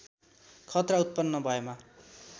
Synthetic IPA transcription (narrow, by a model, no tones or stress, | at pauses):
kʰʌt̪raut̪̚pʌnːʌbʱʌema